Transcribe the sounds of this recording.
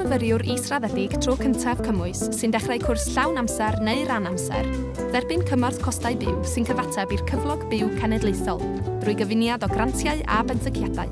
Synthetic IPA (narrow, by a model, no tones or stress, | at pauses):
ɔvəɾjʊɾiːsraðɛdɪɡ̥tʰrokʰəntʰav̥kʰəmʊɨsːɨndɛχrajkʰʊrsɬawnamsɛrneɨɾanamsɛ̰r | ðɛrbɪnkʰəmarθkʰɔstaɨbɪwsɨnkʰəvatʰabirkʰəvlˠɔɡbɪwkʰanɛdlˠejθɔlˠ | d̥rʊɨɡəvɪnjadɔɡrantʰjaɨʔa̰bɛnsəkʰjada̰ɨ